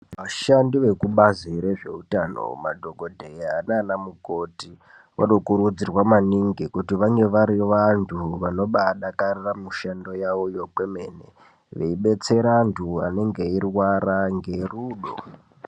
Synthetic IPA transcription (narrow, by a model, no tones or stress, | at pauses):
ʋaʃandiʋe̞kuɓaziɾe̞ʐe̞̰utano̞̰ma̰dʱo̞ɡo̞dʱejanaːnamuko̞ti | ʋa̰ɗo̞kuɾud͡zirwamaniŋɡikutiʋaŋɡe̞ʋaɾiʋantʰuʋano̞ɓaɗakariramuʃando̞jaʋo̞jokwe̞me̞nḛ | ʋḛiɓe̞t͡se̞ɾantʰua̰ne̞ŋɡe̞irwaɾaŋɡe̞ruːɗo̰